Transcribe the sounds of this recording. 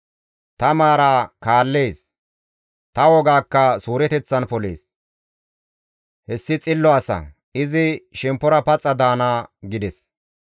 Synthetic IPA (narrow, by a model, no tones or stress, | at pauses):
t̪ɐmaːɾaːkaːlːeːs | t̪ɐwɔɡaːkːɐsuːɾɛt̪ɛt͡sːɐnpɔlḛːs | hɛsːɪt͡sʼɪlːɔɐsɐ̰ | ɪzɪʃɛmpːɔɾɐpɐt͡sʼːɐd̪aːnaːɡɪd̪ɛs